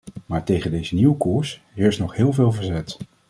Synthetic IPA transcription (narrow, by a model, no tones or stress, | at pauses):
maːɹtejχəndejzəniwəkuːɹs | ɪɹsnɔχɦɪːlˠvɪːlˠvəɹzɛt